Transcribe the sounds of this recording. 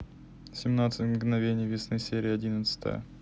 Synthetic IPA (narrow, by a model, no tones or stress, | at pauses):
sʲɪmnat̪sɨtʲmɡnɐvʲenʲɪjvʲɪsnɨsʲeɾʲɪjəɐdʲinət̪sə̥t̪ə̰jə̰